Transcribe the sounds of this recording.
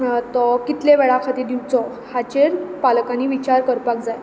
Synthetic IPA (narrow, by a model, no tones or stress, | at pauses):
t̪ɔkit̪leʋeɭakʰat̪id̪iwt͡sɔ | hat͡ɕeɾpalkãniʋit͡ɕaɾkəɾpakd͡zaj